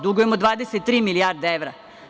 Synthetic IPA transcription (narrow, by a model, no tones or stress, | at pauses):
d̪uɡojemod̪ʋaːd̪eset̪ːɾiːmilijaːɾd̪eeʋɾa